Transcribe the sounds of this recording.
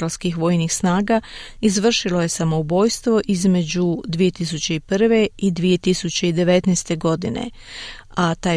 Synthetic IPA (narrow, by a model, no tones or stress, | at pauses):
alskixʋo̞jnixsnaːɡa | izʋr̩ʃilo̞je̞samo̞ubo̞ːjst̪ʋo̞ʔizme̞d͡ʑud̪ʋije̞t̪isut͡ɕe̞ipr̩ʋe̞id̪ʋije̞t̪isut͡ɕe̞id̪e̞ʋe̞t̪nest̪e̞ɡo̞d̪inḛ | at̪aː